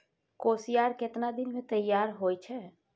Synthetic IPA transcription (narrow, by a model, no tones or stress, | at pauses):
koːsijaːɾkɪt̪nad̪ɪnmẽt̪ɐjːaːɾɦoːit͡ʃʰɛː